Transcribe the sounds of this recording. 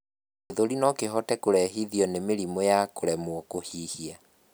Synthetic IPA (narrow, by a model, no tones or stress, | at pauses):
eðoɾinɔkeɦɔtɛkoɾɛɦiðiɔnemeɾimojakoɾɛmwɔkohihia